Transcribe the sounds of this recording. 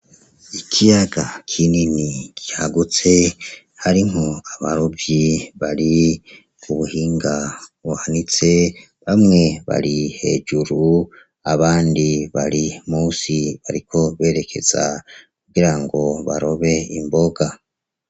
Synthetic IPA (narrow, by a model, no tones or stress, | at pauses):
ikʰijaɡakʰininiɡ̥ihaɡut͡se̞ | haɾiŋ̥oaβaɾobjiβaɾi | uβuhiːŋɡaβuhanit͡se̞ | βamŋe̞βa̰ɾihe̞̰d͡ʒuɾu | aβaːndiβaɾimuːsiβaɾikʰo̞βe̞ːɾe̞kʰe̞̰z̥a̰kuɡiɾaŋɡo̞βaɾo̞βe̞imbo̞ɡa